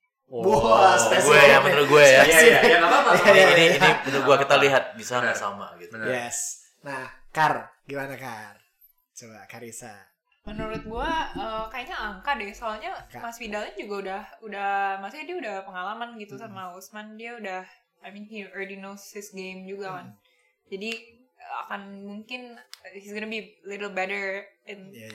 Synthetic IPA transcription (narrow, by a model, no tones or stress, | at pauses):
bosɡuajaməɾuɡuajajajakatatainiːipənuɡuakit̪aliɦat̪̚bisaŋɡasa̰ma̰ɡit̪ujɛs | nah | kar | ɡimanakar | t͡ʃoba̰kaɾisa̰ | mənuɾʊt̪̚ɡuaəkajaɲaaŋkadɛsoalɲamasfidalɲad͡ʒuɡaudahudahmasuɲadiaudahpəŋalamanɡit̪usamausmandiaudah | ajminhiɔdinosɪsɡemd͡ʒuɡakan | d͡ʒadiəa̰kanmuŋkɪnhisɡonəbilɪɾlbɛɾəɹɛn